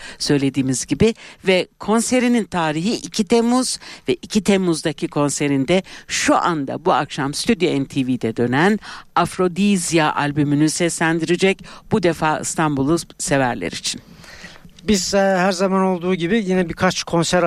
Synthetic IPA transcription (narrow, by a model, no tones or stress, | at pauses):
sø̞jlʲe̞d̪iːmizɟibivɛkʰo̞nse̞ɾinint̪ʰaːɾiɦiʔicʰit̪ʰemuz̥vɛʔicʰit̪ʰemːuzd̪acʰikʰo̞nse̞ɾind̪ɛʃuʔand̪a̰buakʃamsy̥t̪ʰyd̪joɛnt̪ʰiviːd̪ɛd̪ø̞nænafɾo̞d̪izijaʔa̰lʲbymynysɛslʲænd̪iɾid͡ʒɛcb̥ud̪efaːɯ̰st̪ʰanbulˠusevæɾlʲḛɾḭt͡ʃʰin | biz̥hæɾzamano̞lˠd̪uːɟibijinɛbikʰat͡ʃkʰo̞nsæɾ